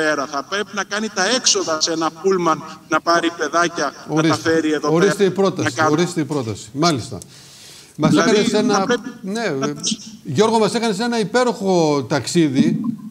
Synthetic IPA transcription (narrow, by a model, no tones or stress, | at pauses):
eɾɐθɐpɾe̞pinɐkɐnit̪ɐe̞kso̞ðɐse̞nɐpulmɐnnɐpɐɾipe̞ðɐcɐoɾisɐfeɾieðoxoɾist̪eipɾo̞t̪ɐsioɾist̪eipɾo̞t̪ɐsi̥mɐlist̪ɐ̰ | mɐsekɐnesenɐne̞ | ʝo̞ɾɣo̞mɐse̞kɐne̞se̞nɐipe̞ɾoxo̞t̪ɐksiði